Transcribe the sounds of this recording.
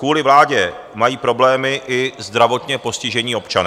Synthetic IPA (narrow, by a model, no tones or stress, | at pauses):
kuːlɪvlaːɟɛ | majiːpɾo̞blɛːmɪʔɪzd̪ɾavo̞t̪ɲɛpo̞scɪʒɛɲiːo̞pt͡ʃanː